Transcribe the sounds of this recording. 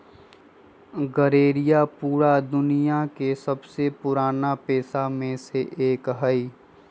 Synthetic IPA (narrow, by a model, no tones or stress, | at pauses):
ɡəɾeːɾɪjapuːɾad̪ʊnijakesɐbsepʊɾaːnapɛːsamẽseʔeːkɦəi